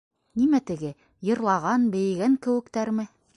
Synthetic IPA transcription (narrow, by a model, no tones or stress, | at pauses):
nimæt̪ɘ̆ɡɘ | jɤ̆ɾlˠɑʁɑnbɘ̆j̆ɡæŋkɘ̆wɘ̆kt̪æɾmɘ